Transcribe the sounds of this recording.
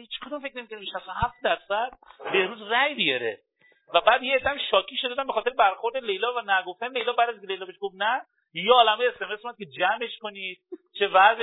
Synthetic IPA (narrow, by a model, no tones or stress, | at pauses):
hit͡ʃkʰod̪umfe̞kʰneikʰoniʃæsohæfd̪æɾsæd̪̥̚behɾuːzræjbijɒɾe | væbæːd̪jeːd̪ːæmʃɒːkʰiːʃod̪d̪æmbe̞xɒːt̪eɾebæɾxoɾd̪e̞lejlɒːvænæɡoft̪ænelejlɒːbæːɾd̪æziŋkʰele̞jlɒːbeʃɡobnæ | jeɒːlæmɒjeesemesmomæd̪̚cʰe̞d͡ʒæme̞ʃkonid̪̥̚t͡ʃʰe̞væz